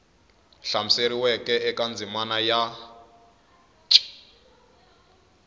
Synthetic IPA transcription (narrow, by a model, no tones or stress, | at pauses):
ɬamiseɾiwɛkʼɛɛkand͡zimanaja | t͡ʃʼi̥